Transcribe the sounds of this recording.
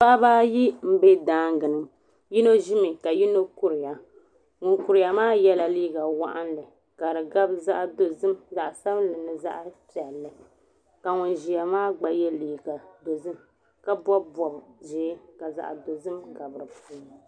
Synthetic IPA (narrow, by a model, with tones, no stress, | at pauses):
pa˦baː˦ji˦m̩˦be˦daː˦ŋɡɨ˨nɨ˦m | ji˦no˦ʒi˦mɨ˨ka˨ji˦no˦ku˦ɾi˨ja˨ | ŋʊ˨nku˨ɾi˨ja˨maː˦jɛ˦la˨liː˦ɡa˨wa˦ʔa˦nlɨ˨ | ka˨ɾɨ˨ɡa˦bza˦ʔdo˨zɨ˦mza˨ʔsa˦blɨ˨nɨ˨za̰˦ʔpi˨ɛ˨lːɨ˨ | ka˨ŋʊ˨nʒi˨ja˨maː˦ɡ͡ba˨jɛ˦liː˨ɡa˨do˨zɨ˦m | ka˦bɔ˦bbɔ˨bʒɛː˨˦ka˨za̰˨ʔdo˨zɨ˦mka˨bɨ˨ɾɨ˨puː˦